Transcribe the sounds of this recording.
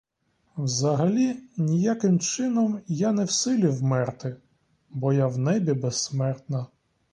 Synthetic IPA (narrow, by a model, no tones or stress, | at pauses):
wzɐɦɐlʲinʲijakɪmt͡ʃɪnɔmjanɛwsɪlʲiwmɛrt̪ɪ | bɔjawnɛbʲibɛsːmɛrt̪nɐ